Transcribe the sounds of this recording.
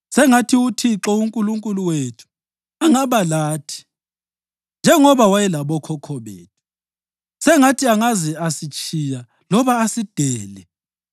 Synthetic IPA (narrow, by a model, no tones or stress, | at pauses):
sɛŋatʰiutʰiǁɔuŋkʼuluŋkʼuluwetʰu̥ | aŋaβalaːtʰi̥ | nd͡ʒʱɛŋɔβawajɛlaβɔkʰɔkʰɔβḛːtʰu̥ | sɛŋatʰiaŋazɛasit͡ʃʼʰija | lɔβaːsid̥ʱɛːlɛ